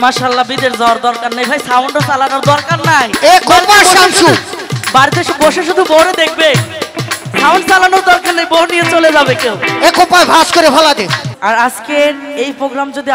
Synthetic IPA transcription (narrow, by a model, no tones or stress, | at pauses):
maːʃaalːabid̪eɾd͡ʑawaɾd̪ɔɾkaɾnajbʱajsawɳɖosalanoɾd̪ɔɾkaɾnajekopaʃamʃubaɾit̪eʃboʃeʃud̪ʱuboɾed̪ek̚ʰbe | sawɳsalanoɾd̪ɔɾkaɾːajbonijet͡ɕoled͡ʑabekewekopaebʱaskoɾebʱalad̪eaɾad͡ʑkeɾejpɾoɡɾamd͡ʑod̪i